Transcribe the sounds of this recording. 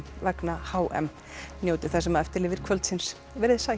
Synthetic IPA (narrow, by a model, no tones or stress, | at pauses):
vɛknahaːwʔɛ̰m | njoːwt̪ɪ̥θɛsːamaðɛft̪ɪɾlɪːvɪɾ̥kʰvœlt̪sɪns | vɛɾðɪsaː